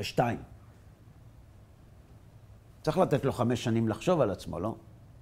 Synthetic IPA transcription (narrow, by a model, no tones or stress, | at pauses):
eʃtaim | tt͡sʁiχlat̪et̪lo̞χame̞ʃːanimlaχʃo̞valat͡smo̞̰lo̞̰